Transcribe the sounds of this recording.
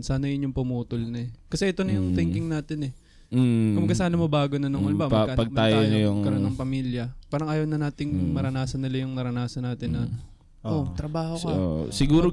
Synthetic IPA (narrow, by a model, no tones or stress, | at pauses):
saːnɐjɪɲʊŋpʊmuːt̪ʊlnɐkɐsɛʔɛt̪o̞nɐjʊŋt̪ɪŋkɪŋnaːt̪ɪnɛ | kɐmbɐɡkɐsaːnɐmobaːɡonɐnɐŋolbɐmɐaʔɐpɐɡ̚mɐaːj̪onɐjʊŋkɐɾonːɐŋpɐmiːljɐpaːɾɐŋʔaːjɐwnɐnaːt̪ɪŋmɐɾɐnaːsɐnːɪlɐjʊŋnɐɾɐnaːsɐnaːt̪ɪnːɐ | ʔot̪ɾɐbaːhokɐo̰sɪɡuːɾo